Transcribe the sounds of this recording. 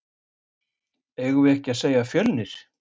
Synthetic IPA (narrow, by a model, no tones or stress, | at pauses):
eːɣʏvɛhcɪaðseːjafjœlnɪɾ̥